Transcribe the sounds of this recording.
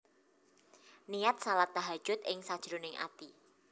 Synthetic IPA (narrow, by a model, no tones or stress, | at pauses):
nijat̪̚salat̪ːaɦad̥ʒ̥ʊt̪̚ɪŋsad̥ʒ̥ɾunɪŋʔa̰t̪i